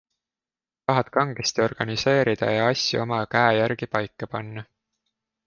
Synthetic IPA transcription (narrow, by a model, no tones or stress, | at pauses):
t̪ɑɦɑt̪ˑkɑŋɡ̥est̪io̞rɡ̥ɑnise̞ːɾid̪̥ɑ̰jɑɑsʲːjṵo̞mɑkæejæɾɡ̥ipɑjkːɑpɑnːɑ